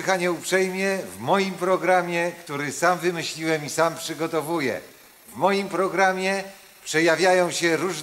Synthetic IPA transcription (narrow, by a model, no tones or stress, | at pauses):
xaɲɛupʂɛjmʲjɛvmɔjimpɾɔɡɾamʲjɛkt̪uɾɘsamvɘmɘɕlʲiwɛmisampʂɘɡɔt̪ɔvujɛ̰ | vmɔjimpɾɔɡɾamʲjɛ | pʂɛjavʲjajɔ̃w̃ɕɛɾuʐ